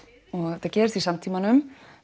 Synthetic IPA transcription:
ɔɣt̪acɛːɾθisamt̪ʰiːmanʏm

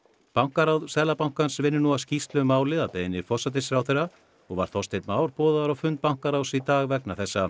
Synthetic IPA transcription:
pawŋ̥kaɾawðsɛlapawŋ̥kansvɪnːɪnuascist̪lʏmaːwlɪðapejɪnːɪfɔsat̪̬ɪsfɾawθeɾa | ɔɣva̰ɾ̥θɔst̪ejt̪maːwɾ̥pɔːðaɾawfʏnt̪̚pawŋ̥kaɾawsit̪aːɣvɛknaθɛsːa

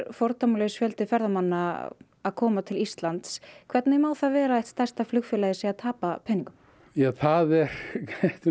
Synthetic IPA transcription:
ɾfɔɾt̪amlesfjœlt̪ɪfɛɾðamanːa | aðkʰɔːmat̪ʰɪlist̪lant̪skʰvɛɾt̪najɛmaːwθavɛːɾaɛht̪st̪ḁst̪aflʏxfʏlajðɪsɛaðt̪ʰaːpapʰɛniŋkʏm | jɛθaːðɛɾ̥caht̪

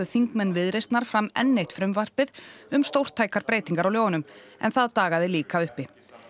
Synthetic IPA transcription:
ʏθiŋkmɛnvɪðɾejst̪naɾ̥fɾamɛ̰nːejht̪fɾʏmvar̥pɪðʏmst̪owr̥t̪ʰːaːjkaɾpɾeːjt̪iŋkaɾawljoːwnʏmɛ̰nθaðt̪aːɣaðɪliːkaʏhpɪ

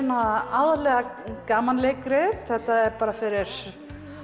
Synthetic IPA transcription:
nːaaːwðalɛːɣakaːmanlekɾɪθɛht̪aɛɾpaːɾafɪɾɪɾ̥

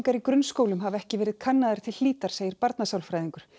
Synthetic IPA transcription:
ŋkaɾikɾʏnskoːwlʏmɦavɛhcɪvɛːɾɪð̥kʰanːaðaɾ̥t̪ʰɪl̥ːiːt̪aɾ̥seːjɪɾpaɾt̪nasawlfɾajðiŋkʏɾ̥

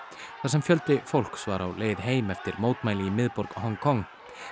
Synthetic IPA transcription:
θasɛmfjœl̪t̪ɪfowl̥ksvaːɾawleːjðɦeːjmɛft̪ɪɾmoːwt̪maːjlɪimɪðpɔɾkhɔŋkʰɔŋ

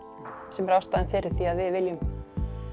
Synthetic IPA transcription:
sɛmɾawst̪aðɛnfɪːɾɪɾ̥θiaðvɪðvɪljʏm

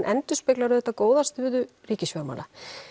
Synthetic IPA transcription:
nʔɛnt̪ʏspɪklaɾʏðɛt̪ːakoːwðast̪ʏðʏriːcɪsvjœɾma̰la̰

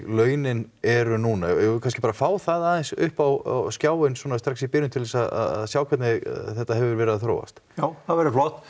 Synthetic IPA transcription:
lœːɥnɪn | ɛɾʏnuːnajjɛkʰanscɪpaːɾafaːwθaðaðɛnsʏhpawa̰wscjaːwʏnswɔːnast̪ɾaksipɪːɾʏnt̪ʰɪlɛsaða̰ða̰ðsjaːwkʰvɛt̪nɪ̰θɛht̪aɦɛvʏɾvɛːɾɪaθɾo̰ːwva̰st̪jaːwθaðvɛɾɪflɔht̪

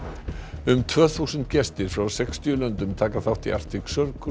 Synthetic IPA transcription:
ʏmt̪ʰvœːθusʏnt̪cɛst̪ɪɾ̥fɾawsɛkst̪ʰiʏlœnt̪ʏmt̪ʰaːkaθawht̪ia̰r̥t̪ɪksœɾk

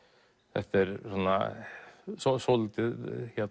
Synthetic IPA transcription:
ɛ̰ht̪ːɪɾsɔnːa̰ | sɔsɔlt̪ɪðçɛ

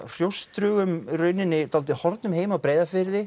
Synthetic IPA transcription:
r̥jowst̪ɾʏɣʏmɾœːɥnɪnːɪt̪alt̪ɪhɔɾt̪nʏmɦeːjmawpɾeːjðafɪɾðɪ

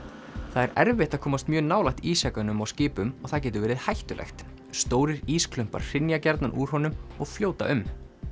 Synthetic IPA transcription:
θaðɛɾɛɾvɪht̪akʰɔːmast̪mjœːnaːwlajht̪iːsakanʏmawscɪːpʏmɔɣθaðcɛːt̪̬ʏɾvɛːɾɪðhajht̪ʏlʔḛxt̪ | st̪oːwɾɪɾiːskʰlʏm̥pa̰ɾ̥r̥ɪnjacɛɾt̪nanʔuɾ̥hɔnʏmɔɣfljoːwt̪a̰ʔʏm

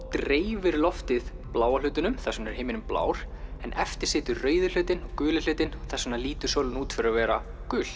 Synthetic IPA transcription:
t̪ɾeːjvɪɾlɔft̪ɪð | plaːwal̥ʏːt̪ɪnʏmθasʏmnɛɾ̥hejmɪnʏmpla̰ːwɾ̥ɛnʔɛft̪ɪɾ̥sɪːt̪ʏɾrœːɥðʏl̥ʏːt̪ɪnɔɣkʏːlɪ̥ʏːt̪ɪnθɛsːʏmnaliːt̪ʏsœːwlnuːt̪fɪɾɾavɛːɾa | kʏːl̥

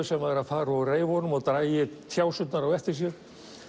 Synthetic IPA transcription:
ʏsɛmaðɛɾaðfaːɾareːjvhɔnʏmaðt̪ɾaːjɪt̪ʰjaːwsʏt̪naɾawɛft̪ɪs̬jʏɾ

